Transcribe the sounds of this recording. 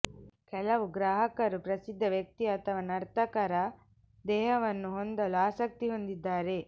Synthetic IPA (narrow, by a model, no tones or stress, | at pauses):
kɛlɐʋuɡɾaːɦɐkɐɾupɾɐsid̪ʱːɐʋjɐk̚t̪iɐt̪ʰɐʋɐnɐɾt̪ɐkɐɾɐ | d̪ɛːɦɐʋɐnːuɦond̪ɐluaːsɐk̚t̪iɦo̞nd̪id̪ːaːɾe̞